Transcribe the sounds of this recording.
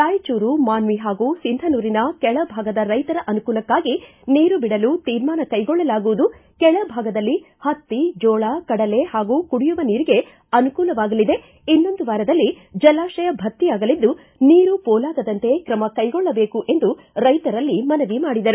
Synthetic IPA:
t̪aːjɐt͡ʃuːɾumaːnʋiɦaːɡuːsind̪ʱɐnuːɾinɐkɛɭɐbʱaːɡɐd̪ɐɾɐjt̪ɐɾɐʔɐnukuːlɐkːaːɡi | niːɾubiɽɐluːt̪iːɾmaːnɐkɐjɡɔɭːɐlaːɡuʋud̪ukɛɭɐbʱaːɡɐd̪ɐlːi | hɐt̪ːid͡ʒɔːɭaːkɐɽɐle̞haːɡuːkuɽijuʋɐniːɾiɡe̞ | ɐnukuːlɐʋaːɡɐlid̪e̞ | inːo̞nd̪uʋaːɾɐd̪ɐlːi | d͡ʒɐlaːʃɐjɐbʱɐt̪ːiaːɡɐlid̪ːu | niːɾupɔːlaːɡɐd̪ɐnt̪e̞kɾɐmɐkɐjɡɔɭːɐbe̞ːkuʔe̞nd̪u | ɾɐjt̪ɐɾɐlːimɐnɐʋimaːɽid̪ɐɾu

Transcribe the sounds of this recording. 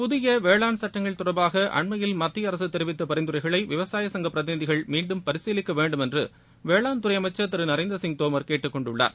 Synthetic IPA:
pʊðɪjɐʋeːɭaːnsɐʈːɐŋɡɐɭt̪ʊrɐbaːɣɐʔɐ̰ɳmɐjɪlmɐt̪ːɪjɐɾɐsɯt̪ːɛɾɪʋɪt̪ːɐpɐɾɐɪnd̪ɯɾɐɪɣɐɭɐɪʋɪʋɐsaːjɐsɐŋɡɐpːɾɐðɪnɪðɪɣɐɭmiːɳɖɯmpɐɾɪseːlɪkːɐʋeːɳɖɯmɛndrɯ̰ | ʋeːɭaːnt̪ʊɾɐɪɐmɐɪt͡ʃːɐt̪ːɪɾɯnɐɾɐɪnd̪ɾɐsɪŋt̪oːmɐɾkeːʈːɯkːɔɳɖʊɭːa̰ːɾ

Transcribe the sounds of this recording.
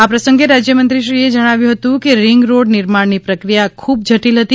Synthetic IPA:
apɾəsə̃ŋɡeɾad͡ʒjəmənt̪ɾiʃɾied͡ʒəɽ̃aʋjũɦət̪ũkeɾɪŋɡɾoɖnɪɾmaɽnipɾəkɾijakʰubd͡ʒʱəʈilɦət̪i

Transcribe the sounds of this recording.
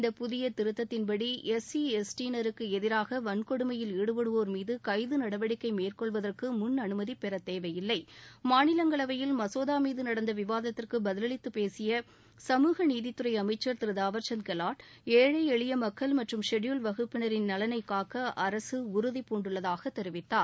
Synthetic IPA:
ɪnd̪ɐpʊðɪjɐt̪ɪɾɯt̪ːɐt̪ːɪnpɐɽiʔɛsiɛsʈinɐɾɯkːɯɛðɪɾaːɣɐʋɐnkɔɽɯmɐjɪlɛɽɯpɐɽɯʋoːɾmiːðɯkɐɪðɯnɐɽɐʋɐɽɪkːɐɪmeːrkɔɭʋɐðɐrkɯmʊnɐnɯmɐðipːɛɾɐt̪ːeːʋɐjɪlːɐɪmaːnɪlɐŋɡɐɭɐʋɐjɪlmɐsoːðaːmiːðɯnɐɽɐnd̪ɐʋɪʋaːðɐt̪ːɪrkɯbɐðɪlɐɭɪt̪ːɯpeːsɪjɐ | sɐmuːɣɐniːðɪt̪ːɯɾɐɪɐmɐɪt͡ʃːɐɾt̪ɪɾɯðaːʋɐɾt͡ʃɐnkɛlaːʈeːɻɐɪɛɭɪjɐmɐkːɐɭmɐʈrɯmʂɛɽjuːlʋɐɣɯpːɪnɐɾɪnnɐlɐnɐɪkaːkɐʔɐɾɐsɯʊɾʊðipːuːɳɖɯɭːɐðaːɣɐt̪ːɛɾɯʋɪt̪ːaːɾ

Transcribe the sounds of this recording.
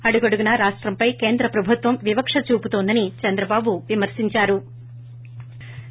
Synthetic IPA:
ɐɽuɡɐɽuɡunɐɾaːʂʈɾɐmpɐjke̞ːnd̪ɾɐpɾɐbʱut̪ʋɐmʋibɐkʂɐt͡ʃuːput̪oːnd̪ɐnit͡ʃɐnd̪ɾɐbaːbuʋimɐɾsiɲt͡ʃaːɾu

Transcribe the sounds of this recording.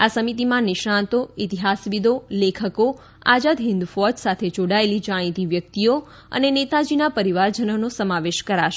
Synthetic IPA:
asəmit̪imãnɪʃãnt̪oit̪iɦasʋid̪olekʰəko | a̰d͡ʒad̪ɦɪ̃nd̪ufɔd͡ʒsat̪ʰed͡ʒoɽaelid͡ʒaɽ̃ĩt̪iʋjək̚t̪io | ə̰nenet̪ad͡ʒinapəɾiʋaɾd͡ʒənonosəmaʋeʃkəɾaʃe

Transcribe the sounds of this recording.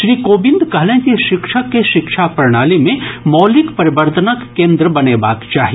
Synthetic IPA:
ʃɾiːkoːbɪ̃nd̪kɐɦlẽkiʃɪkʃəkːeʃɪkʃʰapɾɐɽ̃aːlimẽmɔːlɪkpɐɾɪbəɾt̪ʰənəkːẽːnd̪ɾəbɐneba̰ːkt͡ʃaːɦi

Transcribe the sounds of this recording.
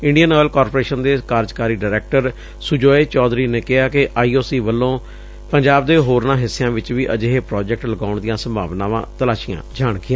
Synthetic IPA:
ɪɳɖijənɔːlkɔːɾpoɾeːʃənd̪eːkaːɾd͡ʒkaːɾiːɖaːɾɛːk̚ʈəɾ | sʊd͡ʒoːeːt͡ʃɔːd̪ɾiːneːkɪɦaːkɪʔaːiːoːsiːʋəlːõː | pəɲd͡ʒaːb̚d̪eːɦoːɾnãːɦɪsːɪjãːʋɪt͡ʃʋiːʔəd͡ʒeːɦeːpɾɔːd͡ʒɛk̚ʈləɡaːʊɳd̪ɪjãːsəmbʱa̰ːʋnãːʋã̰ːt̪əlaːʃɪjã̰ːd͡ʒaːɳkɪjãː

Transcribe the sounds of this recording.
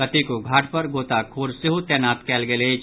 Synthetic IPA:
ɐt̪ikoɡʱaːʈʰpɐɾɡoːt̪akʰoːɾsɪɦut̪ɛːnaːt̪kɛːlɡeleː

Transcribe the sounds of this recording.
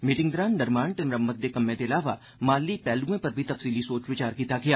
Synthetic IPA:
miːʈɪ̃ŋd̪ɾaːnɖɐɾmaːɳt̪ɪmɾɐmːət̪̚d̪ekɐmːẽt̪eɐlaːʋa | maːlːipɛːluẽpɐɾbʱit̪ɐfsiːlisoːt͡ʃʋɪt͡ʃaːɾkiːt̪aɡijaː

